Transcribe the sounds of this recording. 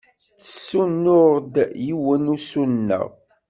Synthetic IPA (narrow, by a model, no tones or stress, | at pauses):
sːunːʊʁd̪jiwənusunːə̰ʁ